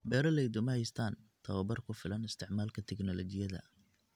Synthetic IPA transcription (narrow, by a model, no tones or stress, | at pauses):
bɛːɾɐlɛjd̪ʊmɐhɛjst̪ʰaːnt̪ʰɐwɐbɐrkʰʊfɪlɐnɪst̪ʰɪʕmaːlkʰɐt̪ʰɛɡnɔlɔt͡ʃɪjɐðɐ̰